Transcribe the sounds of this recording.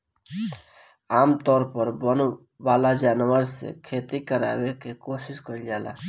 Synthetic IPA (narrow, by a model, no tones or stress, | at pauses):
aːmt̪ɔːɾpəɾbən | ʋaːlad͡ʒaːnʋəɾsḛkʰeːt̪ikəɾa̰ːʋekekoːsɪskəɾid͡ʒaːla̰ː